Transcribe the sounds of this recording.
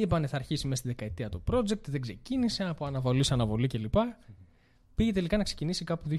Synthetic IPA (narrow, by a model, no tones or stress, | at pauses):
ipɐneθɐɾçisimest̪iðekɐe̞t̪iɐt̪opɾo̞d͡ze̞k̚t̪ðeɡze̞ciniseɐpoɐnɐvo̞lisɐnɐvo̞lice̞lipɐ | piʝet̪e̞likɐnɐkse̞cinisikɐpuðio